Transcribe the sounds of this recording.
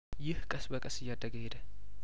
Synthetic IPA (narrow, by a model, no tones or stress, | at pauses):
jɪhkʼəsbəkʼəsɨjːad̪ːəɡəhed̪ə